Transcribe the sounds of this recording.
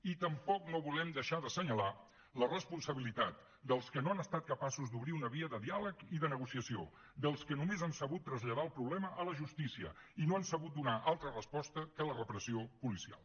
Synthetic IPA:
it̪əmpɔknoβulɛmd̪əʃaðəsəɲəla | lərəspunsəβilit̪at̪̚ | d̪əlˠskənoanəst̪at̪̚kəpasuzd̪uβɾiunəβiəðəðialəkiðənəɣusiəsio̰ | d̪əlˠskənumezansəβut̪ːɾəzʎəð̞aəlˠpɾuβlɛməʔələʒust̪isiə̰inoansəβut̪̚d̪unaʔalˠt̪ɾərəspɔst̪əkələrəpɾəsiopulisia̰lˠ

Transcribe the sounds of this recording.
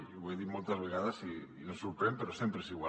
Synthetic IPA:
oβojðiɾmolt̪azβ̞eɣaðasiː | nosuɾpɾempeɾosjempɾesiɣwa

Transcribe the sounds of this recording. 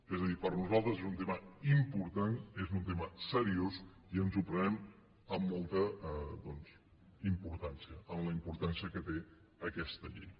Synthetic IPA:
ezəðipəɾnuzalˠt̪ɾəzezunt̪̬eməimpuɾt̪anezunt̪̬eməsəɾios | iənzupɾənɛm | əmːɔlˠt̪əðɔnz | impuɾt̪ansiəəmləimpuɾt̪ansiəkət̪e | əkɛst̪əʎḛ

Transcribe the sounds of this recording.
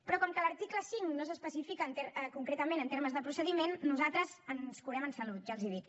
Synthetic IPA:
pɾɔkɔmkələɾt̪ikləsiŋnos̬əspəsifikəːnt̪eɾəkuŋkɾet̪əmẽnənt̪eɾməzðəpɾusəðimenːuzat̪ɾəzənskuɾɛmənsəlut̪ʒalˠziðit̪

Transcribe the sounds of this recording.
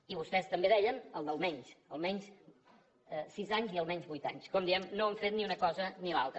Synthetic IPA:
iβust̪ɛst̪əmbeðɛʎənəlˠd̪əlˠmɛɲsəlˠmɛɲs | sizaɲziəlˠmɛɲzβujt̪a̰ɲskɔmd̪iɛmnoəɱfet̪̚niunəkɔzənilˠa̰lˠt̪ə

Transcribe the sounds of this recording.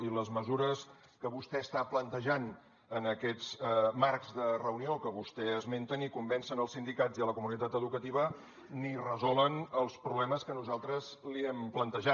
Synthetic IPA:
iləzməzuɾəs | kəβust̪ɛəst̪aplənt̪əʒan | ənəkɛd͡zmarkzðərəuniokəβust̪ɛəzment̪ənikumbɛnsənəlˠsind̪ikad͡ziələkumunit̪at̪əðukət̪iβ̞ə | nirəzɔlˠənəlˠspɾuβlɛməskənuzalˠt̪ɾəzliɛmplənt̪əʒa

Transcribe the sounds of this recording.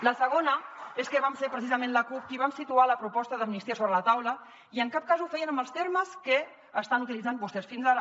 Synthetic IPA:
ləsəɣ̞onəeskəβamseɾpɾəsizəmẽnləkup̚kiβamsit̪ualəpɾupɔst̪əðəmnist̪iəsoβɾələt̪awlə | iəŋkap̚kazufɛiənəməlˠst̪eɾməskə | əst̪anut̪ilidd͡zambust̪ɛsfinzaɾ

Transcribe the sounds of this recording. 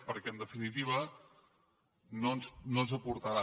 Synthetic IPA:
pəɾkɛənd̪əfinit̪iβ̞ə | nonsnonzəpuɾt̪aɾa

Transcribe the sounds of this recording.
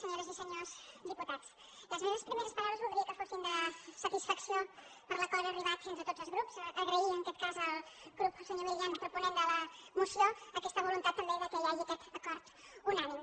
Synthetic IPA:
səɲoɾəzisəɲozd̪iput̪at̪s | ləzmeməspɾimeɾəspɐɾaβɾəzβulˠd̪ɾiəkəfosind̪ləsət̪isfəksjopəɾlɐkwaleɾəriβat̪fenzət̪odzəzɣɾupsəɣɾəint̪ɔt̪̚kazəlˠɡɾupsəɲoɾmilianpɾupunẽnd̪ələmusjoəkɛst̪əβulunt̪at̪̚p̪əɾd̪ewðəkɛʎaləkɛt̪əkɔɾt̪ | unanim

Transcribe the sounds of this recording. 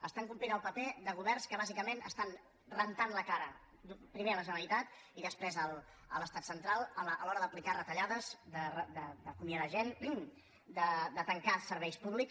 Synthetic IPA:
əst̪aŋkumplinəlˠpəpeðəɣ̞uβɛrnskəβ̞azikəmenə̰st̪an | rənt̪anləkaɾə̰ | upɾimeələʒənəlit̪at̪ | iðəspɾezəlˠ | ələst̪at̪sənt̪ɾalˠələlɔɾəðəplikarət̪əʎaðəzd̪ərəd̪əd̪əkumiaðəʒen | d̪əd̪ət̪əŋkasəɾβɛjspuβlik

